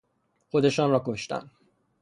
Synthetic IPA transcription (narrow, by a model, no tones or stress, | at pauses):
xo̞d̪e̞ʃɒːnrɒːko̞ʃt̪æ̰n